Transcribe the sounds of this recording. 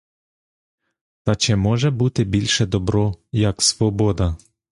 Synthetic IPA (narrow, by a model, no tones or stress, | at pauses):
t̪ɐt͡ʃɪmɔʒɛbut̪ɪbʲilʲʃɛd̪ɔbɾɔjɐksʋɔbɔd̪ɐ